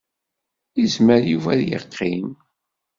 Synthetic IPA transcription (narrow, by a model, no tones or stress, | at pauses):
izməɾjuvæðjə̰qʰːim